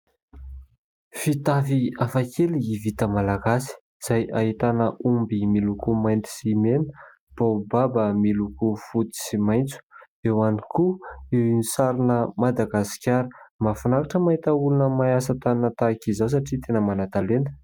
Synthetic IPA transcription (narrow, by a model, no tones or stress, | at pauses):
fit̪aviafakʰeliːvit̪əmalaɡasi̥ | z̥ajʔaɦit̪anəʔumbimilukumajnt̪i̥simenə̥ | b̥ababəmilukufut̪i̥simajnt͡su̥ | ewanikuewinisaɾinəmad̪aɡasi̥kʲaɾəmafunakaʈ͡ʂəmait̪əulunəmajasat̪annət̪akizaws̬aʈ͡ʂit̪enəmanat̪alenə̥